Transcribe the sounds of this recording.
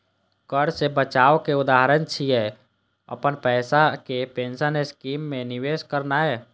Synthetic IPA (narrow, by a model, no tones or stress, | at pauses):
kəɽsebət͡ʃaːokeʊd̪aːɦɾənt͡ʃʰiɦɛ | ə̰pənpɛːsakepẽːnsəneskiːmːẽnɪʋeːʃkəɾnaɦɛː